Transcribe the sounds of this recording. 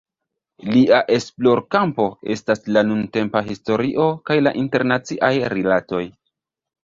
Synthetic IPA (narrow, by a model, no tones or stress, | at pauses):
liʔaʔe̞splo̞ɾkampo̞e̞̰staslanunte̞mpaɦisto̞ɾiʔo̞kajla̰ʔinte̞ɾnat͡siʔajɾilato̞j